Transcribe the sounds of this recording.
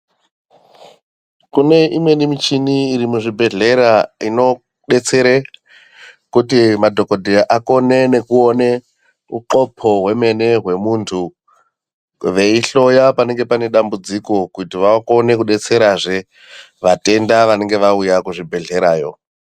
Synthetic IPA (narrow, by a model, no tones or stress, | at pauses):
kune̞ʔimwe̞nimit͡ʃiniːɾimuʐibʱe̞ɮe̞ɾaino̞ | ɗe̞t͡se̞ɾe | kutimadʱo̞kodʱiʔako̞nene̞kuone | uǃo̞pʰo̞ɦwe̞me̞ne̞ɦwe̞muntʰu | ʋe̞iɬo̞japane̞ŋɡe̞pane̞ɗambud͡ziko̞kutiʋako̞ne̞kuɗe̞t͡se̞ɾaʐe | ʋate̞ndaʋane̞ŋɡe̞ʋaujakuʐibʱe̞ɮe̞ɾaːjo̞̰